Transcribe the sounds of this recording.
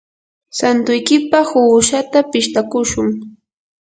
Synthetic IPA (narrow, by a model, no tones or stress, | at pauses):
sant̪ʊjkɪpahʊːʃat̪apɪʃt̪akʊʃʊŋ